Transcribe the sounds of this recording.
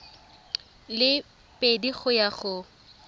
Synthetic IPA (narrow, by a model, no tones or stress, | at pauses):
lɪ | pʼediɣʊjaɣʊ